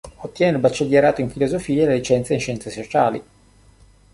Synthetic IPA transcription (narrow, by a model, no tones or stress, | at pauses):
ot̪ːjɛːnelbat͡ʃːed̪jaɾaːt̪oiɱfilozofiːalelit͡ʃɛnt̪sainʃːɛnt̪sesot͡ʃaːli